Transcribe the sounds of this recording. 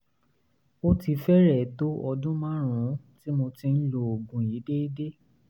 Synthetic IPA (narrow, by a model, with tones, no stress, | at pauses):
o˦ti˧fɛ˦ɾɛ˦˨to˦ɔ˧dũ˦mã˦ɾ̃ũ˨˦ | ti˦mo˧tĩ˧n̩˦lo˨o˨ɡũ˨ji˨˦de˦i˦de˦